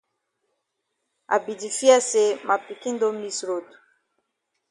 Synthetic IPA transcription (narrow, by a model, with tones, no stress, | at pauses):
a̰˨bi˨di˨fi˦a˦se˨ma˨pi˨ki˦n˦do˦mi˦sɾo˨tu̥˨